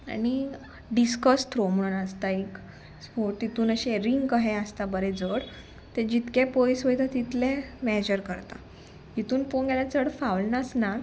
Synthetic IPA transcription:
a̰ñi | ɖiskəst̪ʰɾom̤əɽ̃unəst̪aik | ɦot̪it̪uːnəɕeɾiŋɡkəɦeəst̪abəɾed͡zəɽ | t̪ed͡ʑit̪kepojsʋəjt̪at̪it̪lemɛd͡ʑəɾkəɾt̪a̰ | ɦit̪uːnfonɡɛlat͡səɽfawlnasnat̪

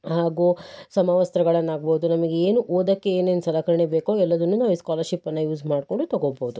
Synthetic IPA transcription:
haːɡuːsɐmaːʋɐst̪ɾɐɡɐɭɐnːaːɡ̚boud̪unɐmɐɡeeːnuʔoːd̪ɐkːeeːnend̪sɐlɐkɐɾɐɳebeːkoːɛlːɐd̪ɐnːunaːʋiːskaːlɐɾʃipːɐnːɐjuːsmaːɖkoɳɖut̪ɐɡoboːud̪u

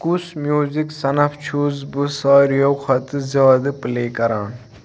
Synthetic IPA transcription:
kusmjuːziksɐnɐft͡ʃʰuzbɨsaːɾjowxʰɐt̪ɨzaːd̪ɨpleːkɐɾaːn

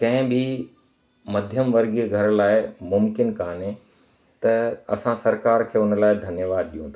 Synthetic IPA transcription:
kɐ̃ɦɪ̃bɪ | mɐd̪ʱjəmʋɐɾɡiɡʱɐɾlaːɪmʊmkɪnkaːnẽ | t̪ɐɐsãsɐɾkaːɾkʰeːʊnəlaːɪd̪ʱɐnjəʋaːd̪̚ɗijũt̪a

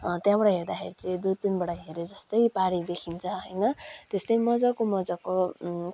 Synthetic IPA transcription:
t̪jãbʌɽʌɦerd̪axʰḛɾit͡sʌd̪ujpinbʌɽʌɦeɾed͡zʌst̪ʌjpaɽid̪ekʰint͡sʰʌɦʌjnʌt̪est̪ʌjmʌd͡zʌkomʌd͡zʌko

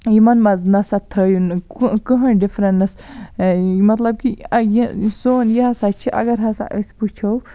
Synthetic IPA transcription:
imɐnmɐznɐsɐt̪ʰəːjunkukəɦɐ̃ɖifɾɐnnɐs | mɐt̪lɐb̚kijisoːnjɐɦɐsat͡ʃʰiʔɐ̰ɡɐɾɦɐsa̰ʔəsput͡ʃʰow

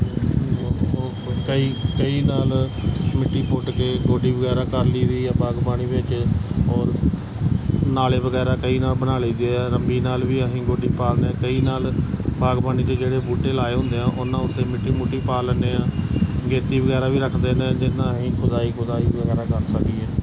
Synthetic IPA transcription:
kəiːkəiːnaːlmɪʈːiːpʊʈkeːɡoːɖiːbəɡɛːɾaːkəɾliːd̪iːɛːbaːɡbaːniːʋɪt͡ʃɔːɾ | naːleːʋəɡɛːɾaːkəiːnaːlbənaːliːd̪eːɛːɾəmbiːnaːlʋiːəɦĩːɡoːɖiːpaːlneːkəiːnaːlbaːɡbaːniːk̪eːd͡ʒeːɽeːbuːʈeːlaːeːɦʊ̃nd̪eːãːʔʊnãːʊt̪ʰːeːmɪʈːiːmʊʈːiːpaːlneːãːɡeːt̪iːʋəɡɛːɾaːʋiːɾəkʰd̪eːnẽd͡ʒɪnãːɦĩːkʰʊd̪aːiːkʰʊd̪aːiːəɡɛːɾaːkəɾsəkd̪iɛː

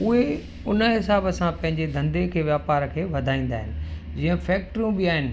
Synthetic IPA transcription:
ʊɦe | ʊnə̆ɦɪsaːbəsãpɐ̃ɦɪ̃ɲd͡ʑed̪ʱɐ̃nd̪ekʰeːʋjaːpaːɾkʰeːʋɐd̪ʱaːĩːnd̪aːɦɪnɪ̆d͡ʑĩːə̃fɛːk̚ʈɾijũbɪaːɦɪnɪ̆

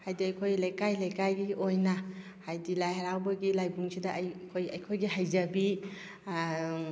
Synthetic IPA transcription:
hajdiɐjkʰojlajkajlajkajɡiojnɐ | hajdilajhaɾawbɐɡilajbuŋsidɐːjkʰojɐjkʰojɡiɦajzɐbi

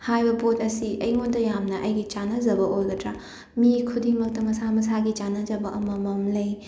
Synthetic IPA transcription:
hajbɐbotɐsiʔɐjondɐjamnɐʔɐjɡit͡ʃanɐzɐbɐʔojɡɐtɾa | mikʰudiŋmɐk̚tɐmɐsamɐsaɡit͡ʃanɐzɐbɐʔɐmɐmɐmlɐj

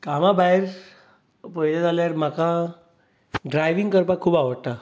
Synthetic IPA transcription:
kamabaeɾ | pəjlad͡zaljaɾm̤aka | ɖɾajʋiŋɡkəɾpakʰuːbaʋəɽt̪a

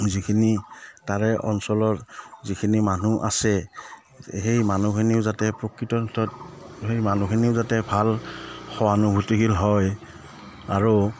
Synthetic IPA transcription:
zikʰinitaɹɛʔɔ̰nsɔlɔtzikʰinimanuʔa̰sɛ | hejmanukʰiniʊzatɛpɹɔkɹitɔntʰɔt̚hejmanukʰiniʊzatɛbʱalxɔanubʱutiɡilɦɔj | aɹu

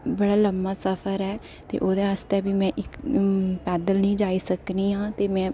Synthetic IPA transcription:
bəɽaːləmaːsəpʰəɾɦɛː | t̪ḛːʔoːd̪eːəst̪ɛːbiːmɛ̃ːʔɪkpɛːd̪əlnĩːd͡ʒaːiːsəkniːɦãːt̪eːmɛ̃ː

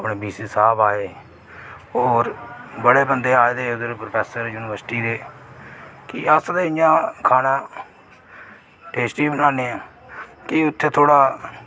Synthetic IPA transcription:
əpɳeːbiːsiːsaːbaːeː | oːɾbəɽeːbənd̪eːaːed̪eːʊd̪əɾpɾpʰɛːsəɾjuːnɪʋəɾsʈiːd̪eː | kɪəst̪eːɪjãːkʰaːnãː | ʈeːsʈiːbənãːneːãː | kɪʊt̪ʰːeːt̪ʰoːɽaː

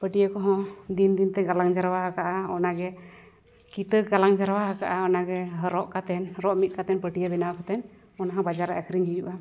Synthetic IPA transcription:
pəʈijakɔɦɔ̃d̪ind̪int̪ɛɡalaŋd͡ʒaɾwaɦakaʔaɔnaɡɛ | kit̪əɡalaŋd͡ʒaɾwaɦakaʔaɔnaɡɛɦəɾɔʔkat̪ɛnɾɔʔmit̪̚kat̪ɛnpəʈijabɛnawakat̪ɛn | ɔnaɦãbad͡ʒaɾaʔəkʰɾiŋɦid͡ʒuʔa

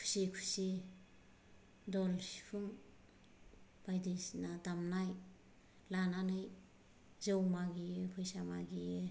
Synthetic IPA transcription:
kʰu̥sikʰusi | dɔlsi̥pʰuŋ | b̥ajdisnadamnaj | lananɯj | zɯwmaɡijɯpʰɯjsamaɡije

